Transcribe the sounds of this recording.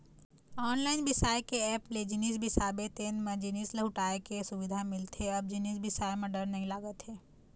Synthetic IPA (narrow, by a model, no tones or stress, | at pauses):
ɔːnlaːɪnbɪsaːjkeɛːpled͡ʒɪnisbʱisaːbet̪eːnmẽd͡ʒɪniːslɐɦʊʈaːekesʊʋɪd̪ʱamɪlt̪ʰeɐb̚d͡ʒɪniːsbɪsaːemẽɖɐɾnɐɦĩlaːɡət̪ɦɛː